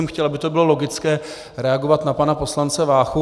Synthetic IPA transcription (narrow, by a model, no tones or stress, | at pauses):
ɛmxcɛlabɪt̪obɪlo̞lo̞ɡɪt͡skɛː | ɾɛaɡo̞vat̪napanapo̞slant͡sɛvaːxu